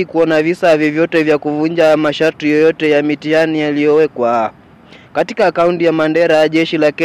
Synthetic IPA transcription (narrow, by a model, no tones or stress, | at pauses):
ikuɔnavisavjɔvjɔtɛvjakuvuɲd͡ʒamaʃaɾtijɔjɔtɛjamitianijalijɔwɛkwa | katikaːkauntijamandɛɾaaʄɛʃilakɛ